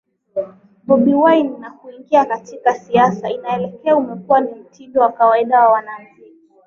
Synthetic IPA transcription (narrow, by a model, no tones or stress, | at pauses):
ɓɔɓiwajnːakuiŋɡiakatikasiasainaɛlɛkɛaumɛkuwanim̩tʰidɔwakawaiɗawawanam̩kɛ